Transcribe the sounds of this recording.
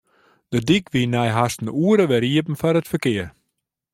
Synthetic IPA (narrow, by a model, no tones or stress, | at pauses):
d̥ədikʋinɛjɦastn̩uəɾəʋɛɾiəpn̩faɾətfərkɪər